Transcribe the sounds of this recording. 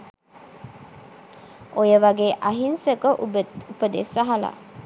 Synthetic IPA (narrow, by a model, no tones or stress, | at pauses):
ojəʋaɡeːʔaɦinsəkəupəd̪ḛsaɦala̰